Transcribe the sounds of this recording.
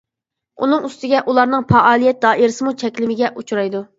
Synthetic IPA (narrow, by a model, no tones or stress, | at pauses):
ṵnɨŋyst̪ɪɡʲɛʔulˠɑɾnɨŋpʰɑʔɑːlˠijɛt̪̚d̪ɑːʔiɾɪsɨmut͡ʃʰɛkʲlɪmɪɡʲɛʔut͡ʃʰuɾɑjd̪u